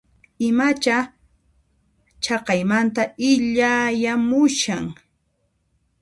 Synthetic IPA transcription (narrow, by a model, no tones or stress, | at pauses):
ɪmat͡ʃa | t͡ʃɑqɑjmant̪aɪʎajamʊʃaŋ